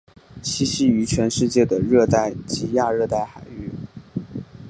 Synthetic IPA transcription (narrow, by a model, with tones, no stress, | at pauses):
ɕi˥ɕi˥y˧˥t͡ɕʰɥɛ˧˥nʂɻ̩˥˧t͡ɕjɛ˥˩d̪ə˩ɻɤ˥˧t̪a˥˩ɪt͡ɕi˧˥ja˥˧ɻɤ˥˧t̪a˥˩ɪxa˨˩ɪy˥˩